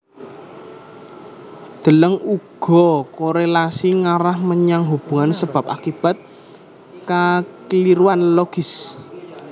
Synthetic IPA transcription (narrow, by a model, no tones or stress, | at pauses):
d̪̥ə̤ləŋuɡ̥ɔ̤koɾelasiŋaɾahməɲaŋɦub̥ṳŋansəb̥a̤p̚akib̥a̤t̪̚ | kakliɾuanloɡ̥ɪs